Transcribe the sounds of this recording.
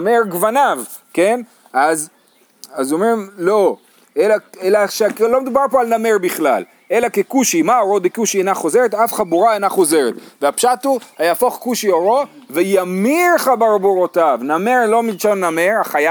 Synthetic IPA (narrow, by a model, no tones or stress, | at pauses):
meʁɡvanav | ken | az | azo̞mʁimlo̞ | elaelaʃeklo̞med̪ubaʁpo̞alname̞ʁbiχla̰l | elakekuʃimaoʁo̞d̪ekuʃienaχo̞ze̞ʁet̪afχad̚buʁaenaχo̞ze̞ʁet̪veapʃat̪uhajafo̞χkuʃioʁovejamiʁχabaʁbuʁotavnameʁlo̞milʃannameʁaχaja